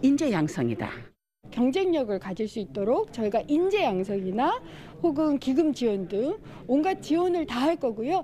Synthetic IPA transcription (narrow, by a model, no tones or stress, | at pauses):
ind͡ʑe̞jaŋsʰʌŋida̰ | kjʌŋd͡ʑe̞ŋɲʌɡɯɭkad͡ʑiɭs͈uit̚t͈oɾok̚t͡ɕʌiɡaʔind͡ʑe̞jaŋsʰʌɡina | ɸoɡɯnkiɡɯmt͡ɕiwʌndɯŋ | onɡat͡ɕiwʌnɯɭtaɦaɭk͈ʌɡujo